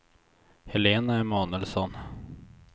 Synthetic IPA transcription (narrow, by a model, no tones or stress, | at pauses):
hɛleːnaæɾmɑːnəlsɔn